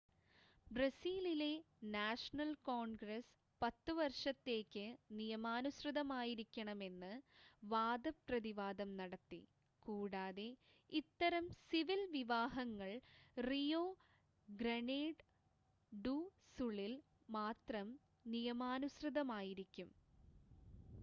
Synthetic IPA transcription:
brɐsiːlile̞ | naːʂɐnɐlkoːɳɡɾɐs | pɐt̪ːɨʋɐrʂɐt̪ːe̞ːkʲːɨnijɐmaːnusrɨðɐmaːjiɾikʲːɐɳɐme̞nːɨʋaːd̪ɐprɐðiʋaːd̪ɐmnɐɽɐt̪ːḭ | kuːɽaːðe̞ | it̪ːɐɾɐmsiʋilʋiʋaːɦɐŋːɐɭrijoː | ɡɾeneːɖ | ɖusuɭil | maːt̪rɐm | nijɐmaːnusrɨðɐmaːjiɾikʲːum

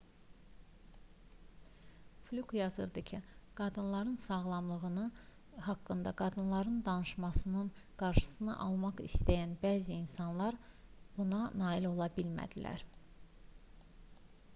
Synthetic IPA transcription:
flʲukjɑzɯ̰ɾd̪ɯcʰiɡ̥ɑd̪ɯnlˠɑɾɯnsɑɣlˠɑmlˠɯɣɯnɯ | hɑkːɯnd̪ɑɡɑd̪ɯnlˠɑɾɯnd̪ɑnɯʃmɑsɯnɯnɡ̥ɑɾʃɯ̥sɯnɯ̰ʔɑlˠmɑχist̪æjænbæːziːnsɑnlˠɑɾb̥unɑnɑːilo̞lˠɑbilmæ̰d̪ilæ̰ɾ

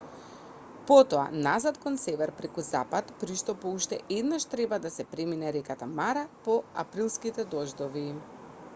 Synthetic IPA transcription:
pɔt̪ɔa̰nazat̪kɔnsɛvɛɾpɾɛkuzapat̪pɾiʃt̪ɔpɔuʃt̪ɛʔɛd̪naʃt̪ɾɛbad̪asɛpɾɛminɛɾɛkat̪amaɾapɔa̰pɾilˠskit̪ɛd̪ɔʒd̪ɔvi

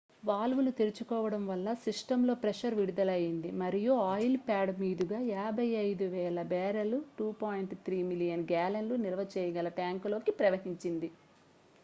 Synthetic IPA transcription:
ʋaːlʋulut̪iɾit͡ʃukɔːʋɐɽɐmʋɐlːɐsiʂʈɐmlo̞ːpɾɛʃɐɾʋiɽud̪ɐlɐjind̪imɐɾijuaːjlpaːɖmiːd̪uɡaːaːbʱɐjːɐjd̪uʋɛːlɐbɛːɾɐluʈuːpaːjiɳʈt̪ʰɾiːmilijɐnɡaːlɐnlunilɐʋɐt͡ʃɛːjɐɡɐlɐʈaːŋklo̞ːkipɾɐʋɐɦiɲt͡ʃind̪i

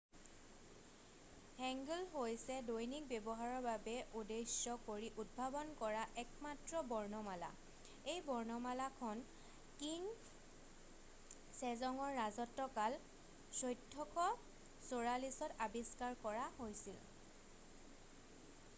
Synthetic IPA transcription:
hɛŋɡulɦojsɛdojnik̚bɛbɔɦaɹɔɹbabɛudejsɔkoɹiʔud̚bʱabɔnkɔɹaʔɛkmatɹɔbɔɹnɔmala̰ | ejbɔɹnɔmalakʰɔn | kiŋ | sɛzɔŋɔɹːazɔtːɔkal | sojtʰːɔkɔ | soɹalisɔtabiskaɹkɔɹaɦojsḭl

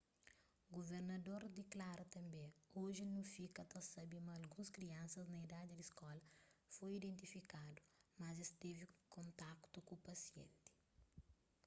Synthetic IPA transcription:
ɡoveɾnɐd̪oɾd̪iklaɾɐt̪ɐ̃mbẽoʒinũfikɐt̪ɐsɐbimɐːlɡũskɾiɐ̃nsɐznɐid̪ad̪id̪iskɔlɐfojid̪ẽnt̪ifikad̪umɐzist̪evikõnt̪akt̪ukupɐsiḛ̃nt̪i̥

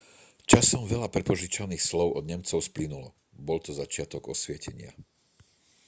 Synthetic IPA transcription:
t͡ʃasɔmʋɛʎapɾɛpɔʒit͡ʃaniːxslɔʊʔɔd̪ɲɛmt͡sɔʊsplinulɔ | bɔlt̪ɔzat͡ʃɪat̪ɔɡɔsʋɪɛcʰɛɲɪa̰

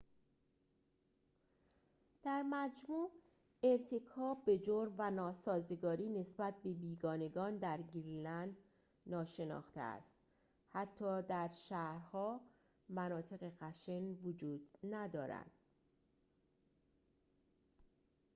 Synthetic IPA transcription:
d̪̥æɾmæd͡ʒmuː | e̞ɾt̪ʰekʰɒːbːe̞d͡ʒoɾmvænɒːsɒːze̞ɡɒːɾiːne̞sbæt̪̚be̞biːɡɒːne̞ɡɒːnd̪æɾɡiɾlænd̪ | nɒːʃe̞nɒ̰ːxt̪ḛæ̰st̪ | hæt̪ʰːɒːd̪æɾʃæhɾhɒː | mænɒːt̪ʰe̞ɣe̞ɣæʃenvod͡ʒuːd̪̥næd̪ɒːɾæ̰nd̪̥

